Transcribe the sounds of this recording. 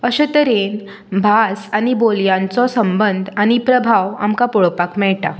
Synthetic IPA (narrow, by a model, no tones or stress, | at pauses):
əɕət̪əɾen | bʱasaɽ̃iboljãnt͡sɔsəmbənd̪ʱaɽ̃ipɾəbʱaʋa̰mkapɔɭpakmɛɭʈa